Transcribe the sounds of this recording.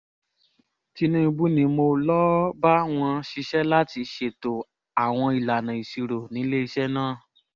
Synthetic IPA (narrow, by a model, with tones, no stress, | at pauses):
ti˧nũ˦i˧bu˦nĩ˨˦mo˧lɔ˦ba˦w̃ɔ̃˧ʃi˧ʃɛ˦la˦ti˧ʃe˨to˨ | a˨w̃ɔ̃˧i˨la˨nã˨i˨si˨˧ɾo˨nĩ˨˦le˦i˧ʃɛ˦nãː˦˨